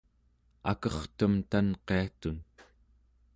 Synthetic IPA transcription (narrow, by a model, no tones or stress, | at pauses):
a̰kʌχt̪əmt̪anqe̞at̪un